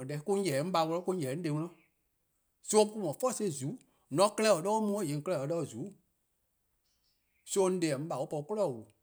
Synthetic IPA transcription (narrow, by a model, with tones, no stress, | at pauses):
dɛ˨˦kũ˦ɲɛ˨˦ŋ̩̃˦ɓa˧˨˧ŋɔ˧lɔ̃˦ku˧˦ɛ˨˦n̩˦de˨˧˦ŋɔ̃˧ɔ̃˦ | so˦o˦ku˦mɔ̃˨fɔ˦˨se˧˦˨zu˨˦ | nɔ̃˨˦kɜ˦lɛ˦˨ə˨ɗɔː˦mũː˧˦ɛ̃˦˨jẽ˨kɜ˧lɛ˧˨ə˨ɗɔ˦˨zuː˨˦ | so˧˦˧n̩˦dɛ˨ɛ˨ŋ̩̃˦ɓa˨wo˦pɔ˧u˧˦ko˦lɔ˦˨wu˨